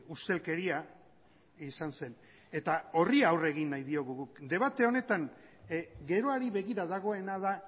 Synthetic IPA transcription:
ust̪e̞lke̞ɾia | isanse̞n | e̞t̪ao̞riaaːwre̞ɣ̞inːajðio̞ɣuɣukd̪e̞βat̪e̞o̞ne̞t̪aŋ | ɡe̞ɾo̞aɾiβe̞ɣiɾaðaɣ̞o̞e̞nað̞a

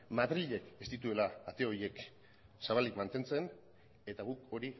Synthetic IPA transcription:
maðɾiʎe̞kest̪it̪ue̞laːt̪e̞o̞ɾjie̞k | saβald̪ikmant̪e̞nt͡se̞n | e̞t̪aɣuko̞ɾi

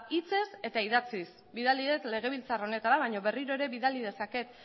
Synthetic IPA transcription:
it͡se̞se̞t̪aiðat͡sis | biðaliet̪le̞ɣ̞e̞β̞ilt͡saro̞ne̞t̪aɾaβajɲo̞βe̞riɾo̞e̞ɾe̞βiðalið̞e̞sake̞t̪

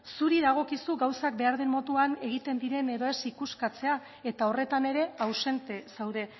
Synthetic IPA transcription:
suɾiðaɣ̞o̞kisuɡawsak̚be̞aɾð̞e̞mmːo̞t̪uane̞ɣ̞it̪e̞nd̪iɾe̞ne̞ðo̞e̞sikuskat͡se̞a | e̞t̪ao̞re̞t̪ane̞ɾe̞awse̞nt̪e̞sawðe̞

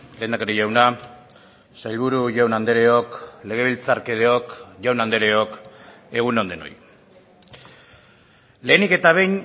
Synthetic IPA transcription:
le̞ːnd̪akeɾeʝawna | sajlβuɾuʝawnand̪e̞ɾe̞o̞kle̞ɣ̞e̞β̞ilt͡saɾkeðeo̞kʝawnand̪e̞ɾe̞ok | e̞ɣ̞unond̪eno̞̰j | le̞ːnike̞t̪aβ̞e̞jɲ

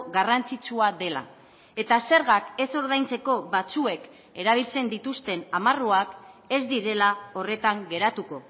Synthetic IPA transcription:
ɣarant͡sit͡suaðe̞la̰ | e̞t̪ase̞ɾɣake̞so̞ɾðajnt͡se̞ko̞βat͡sue̞k | e̞ɾaβ̞ilt͡se̞nd̪it̪ust̪e̞namaruake̞zd̪iɾe̞lao̞re̞t̪aŋɡe̞ɾat̪uko̞

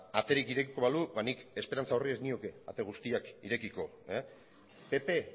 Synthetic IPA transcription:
at̪e̞ɾikiɾe̞kiko̞βaluβanike̞speɾant͡saorie̞znioke̞a̰t̪e̞ɣ̞ust̪iakiɾe̞kiko̞ | e | pe̞pe̞

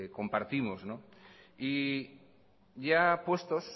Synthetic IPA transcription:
ko̞mpaɾt̪imozno | i | ʝapwe̞st̪o̞s

